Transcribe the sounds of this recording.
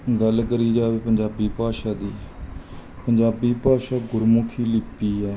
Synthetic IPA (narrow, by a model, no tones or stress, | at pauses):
ɡəlkəɾiːd͡ʒaːʋeːpəɲd͡ʒaːbiːpaːʃaːd̪iː | pəɲd͡ʒaːbiːpaːʃaːɡʊɾmʊkʰiːlɪpiːɦɛː